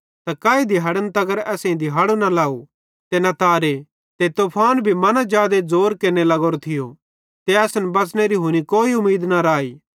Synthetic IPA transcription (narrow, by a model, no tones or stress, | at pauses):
t̪akaːid̪iɦɐɽənt̪ɐɡəɾɛːsẽĩd̪iɦɐɽonɐlaːu | t̪enɐt̪aːɾe | t̪et̪oːpʰaːnbʱimɐnad͡ʒjaːd̪ed͡zoːɾkenelɐɡoːɾot̪ʰɪjo | t̪eɛːsnbɐt͡sneɾiɦʊñikoːiʊmiːd̪nɐɾaːiː